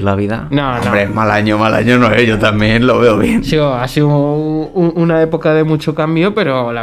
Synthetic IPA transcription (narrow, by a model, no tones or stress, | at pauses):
laβiðanõomõbɾeeɦmalaɲomala̰ɲonoeʝo̞t̪amjẽ̞nlo̞βe̞oβje̞nsioasiuuunae̞po̞kaðe̞mut͡ʃokambjope̞ɾola